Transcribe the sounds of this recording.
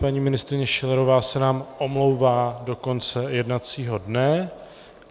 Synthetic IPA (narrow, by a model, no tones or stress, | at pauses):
paɲiːmɪnɪst̪ɾɪɲɛʃɛlɛɾo̞vaːsɛnaːmʔo̞mlo̞wvaːdo̞ko̞nt͡sɛjɛdnat͡siːɦo̞dnɛ